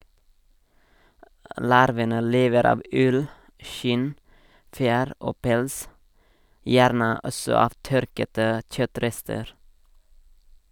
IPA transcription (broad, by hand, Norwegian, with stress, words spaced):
ˈlɑɾʋənə ˈleːʋəɾ ˈɑːʋ ˈʉl ˈʃɪn ˈfjæːɾ ˈoː ˈpɛls ˈjæːɾnə ˈɔsɔ ˈɑːʋ ˈtœɾkətə ˈc͡çœˌtɾɛstəɾ